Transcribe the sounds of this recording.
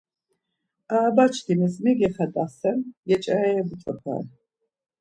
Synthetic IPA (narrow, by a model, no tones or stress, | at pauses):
aːbat͡ʃʰd̪imɛsmiɡɛχɛd̪ʼasɛnjɛt͡ʃʼaɛɛbut͡ʃʼɔpʰa̰ɾ